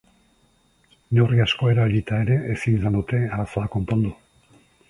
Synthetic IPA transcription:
noriasko̞e̞ɾaeʎit̪ae̞ɾe̞ʔesinsand̪ut̪e̞aɾasaako̞mpond̪u

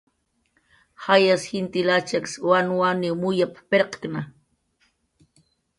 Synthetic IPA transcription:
hajasxɪnt̪ilat͡ʃakswanwaniwmʊjappeɾqkna

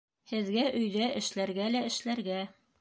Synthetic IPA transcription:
hɘ̆ðɡæʔɵ̆jðæʔɘ̆ʃlæɾɡælæɘ̆ʃlæɾɡæ

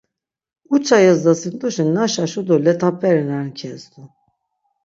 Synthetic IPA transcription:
ut͡ʃʰajazd̪asɯnt̪ʼuʃinːaʃaʃud̪ɔlɛt̪ʰapʰʼɛɾinankʰɛsd̪u

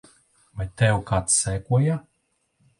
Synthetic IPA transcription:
vajt̪ɛwkat̪sɛːkuɔja

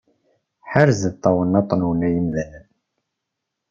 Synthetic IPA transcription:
ħaɾzəðt̪ˤːɑwənːɑt̪ˤːənuwənæjəmðænən

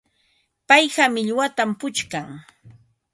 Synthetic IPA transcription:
pajhamɪʎwat̪ampʊt͡ʃkaŋ

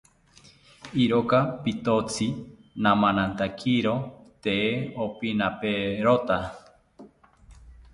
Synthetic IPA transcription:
iɾokapit̪ot͡si | nãmãnãnt̪akʰiɾot̪eeopinapeɾot̪a

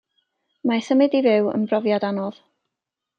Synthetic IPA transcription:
majθəmɪdivɪwə̰nbrɔvjadanɔð̥

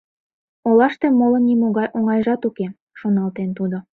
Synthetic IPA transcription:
olɑʃt̪emolə̆nːimoɣɑjʔoŋɑjʒɑt̪uke | ʃonɑlt̪ent̪ud̪o

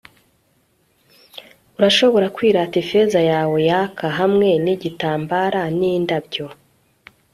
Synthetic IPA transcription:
uɾaʃo̞βo̞ɾakwiːɾatifezajaːwo̞jakʰaɦamŋe̞niɟitaːmbaɾanindabɟo̞

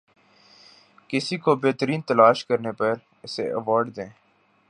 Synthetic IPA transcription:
kɪsikobeːt̪əɾiːnt̪əlaːʃkəɾnepəɾ | ɪsḛʔəʋaːɾɖd̪ẽː

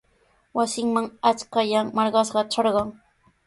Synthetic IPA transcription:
wasɪŋmaŋat͡skajaŋmɑɾɢɑsɢɑʈ͡ʂɑɾɢɑŋ

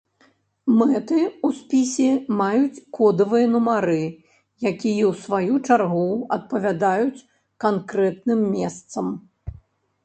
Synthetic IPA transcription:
mɛt̪ɨuspʲisʲɛmajut͡sʲkɔd̪ɐvɨjɐnumaɾɨ | jakʲijɛwsvajut͡ʂarɣuɐt̪̚pɐvʲad̪ajut͡sʲ | kankɾɛt̪̚nɨmːʲɛst̪sɐm

